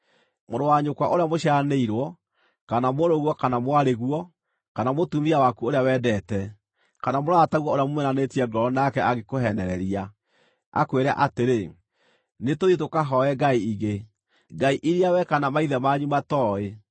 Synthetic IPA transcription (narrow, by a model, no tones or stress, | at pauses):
moɾowaɲokwaʔoɾeamoɕjaneiɾwɔ | kanamoɾoɣwɔkanamwaɾeɣuɔ | kanamotumiawakuoɾeawɛːdɛtɛ | kanamoɾaataɣwɔoɾeamomwɛnanetiɛɡɔɾɔnakɛʔaɣekoɦɛnɛɾɛɾia | a̰kweɾa̰ʔateɾe | netoðit̬okaɦɔɛɡaiiɣe | ɡaiʔiɾiawɛkanamaiðɛmaɲumatɔːe